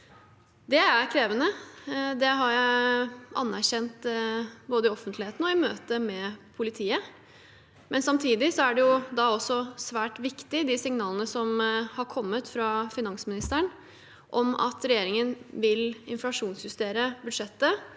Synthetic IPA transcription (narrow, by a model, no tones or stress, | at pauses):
d̪ɛæɾkʰɾeːʋənəd̪ɛɦɑɾjæ | ʔɑ̰nːæɾçɛnt̪boːd̪əɪɔfənt̪lɪheːt̪n̩ɔɪmøːt̪əmɛpʰʊlɪt̪ʰiːə | mʔɛnsɑmt̪ʰiːd̪ɪsɔæɖɛjʊd̪ɑɔsːɔsʋæːʈʋɪkt̪ɪd̪ɪsɪŋnɑːlənəsɔmhɑɾkʰɔmːət̪fɾɑfɪnɑŋsmɪnɪst̪əɳ | ʔɔmɑ̰t̪ʰɾɛjeːɾɪŋənʋɪlɪnflɑʂuːnsjʉst̪eːɾəbʉd̪ʂɛt̪ːə